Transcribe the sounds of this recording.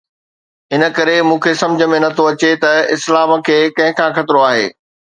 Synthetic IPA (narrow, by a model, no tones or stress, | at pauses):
ɦɪnə̆kɐɾemũːkʰesɐ̃md͡ʑʱə̆mẽnɐt̪ʰoɐt͡ɕet̪ɐɪslaːmə̆kʰeːkɐ̃ɦɪ̃kʰãːxɐt̪ɪɾoaːɦḛː